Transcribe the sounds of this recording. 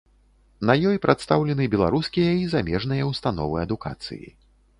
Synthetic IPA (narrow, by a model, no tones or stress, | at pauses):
nɐjɔjpɾʔat̪st̪awlʲɛnɨbʲɛlˠaɾuskʲijɐizamʲɛʐnɨjɐwst̪anɔ̰vɨɐd̪uka̰t̪sɨ̰jḭ